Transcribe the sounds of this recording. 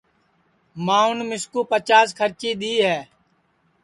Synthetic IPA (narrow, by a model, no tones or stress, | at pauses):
mãːʊnmɪskuːpət͡ʃaːskʰəɾt͡ʃiːɗ̪iːɦɛː